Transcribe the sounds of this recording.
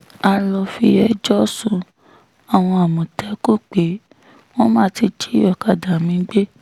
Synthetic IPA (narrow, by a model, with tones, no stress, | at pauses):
a˧lɔ˧fi˧ɛ˧˨d͡ʒɔ˦sũ˧ | a˨w̃ɔ̃˧a˨mũ˨tɛ˨˦ko˦˨k͡pe˨˦ | w̃ɔ̃˦mãː˦ti˧d͡ʒi˦ɔ˨ka˨da˨mĩ˧˦ɡ͡be˦